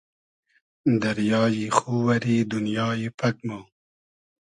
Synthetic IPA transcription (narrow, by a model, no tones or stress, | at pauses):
d̪ɐɾjɑːjixuwɐɾiːd̪unjɑːjipʰɐk̚mo